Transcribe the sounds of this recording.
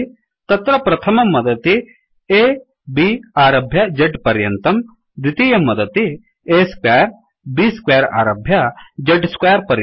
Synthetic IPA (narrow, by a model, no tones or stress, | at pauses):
t̪ɐt̪ɾɐpɾɐt̪ʰɐmɐmːɐd̪ɐt̪i | eː | biaːɾɐbʱjɐd͡ʒɐɖpɐɾjɐnt̪ɐm | d̪it̪ijɐmːɐd̪ɐt̪i | eːskaːɾ | biːskwaːɾa̰ːɾɐbʱjɐd͡ʒɐɖskʋaːɐɾpɐɾj